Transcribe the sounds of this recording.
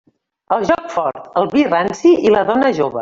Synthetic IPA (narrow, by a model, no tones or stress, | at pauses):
əlˠʒɔkfɔɾt̪əlˠβiransiiləðɔnəʒoβə̰